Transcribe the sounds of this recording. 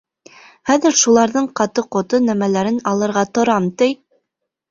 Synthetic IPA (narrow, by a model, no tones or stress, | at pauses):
χæðɘɾʃulˠɑɾðɤɴqɑt̪ɤqŏt̪onæmælæɾɘnɑlˠɤ̆ɾʁɑt̪ŏɾɑmt̪ɘj